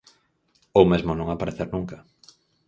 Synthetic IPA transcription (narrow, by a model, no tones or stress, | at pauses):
owmezmonõŋapaɾeθeɾnũŋka